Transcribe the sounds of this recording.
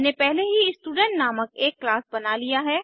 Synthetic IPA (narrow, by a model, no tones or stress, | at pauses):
nepɛɦleɦiɪsʈuːɖə̃ɳʈnaːməkeːkːlaːsbɐnalijaɦɛː